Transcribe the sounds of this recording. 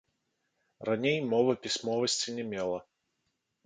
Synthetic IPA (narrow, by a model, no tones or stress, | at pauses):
ranʲejmɔvɐpʲisʲmɔvɐsʲt͡sʲinʲɛmʲɛlˠɐ